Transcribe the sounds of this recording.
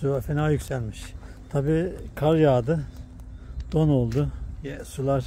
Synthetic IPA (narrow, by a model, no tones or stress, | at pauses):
uafenaːjycʲsælʲmiʃ | t̪ʰabiːkʰaɾjaːd̪ɯ | d̪̥onolˠd̪ʊjɛsulˠaɾ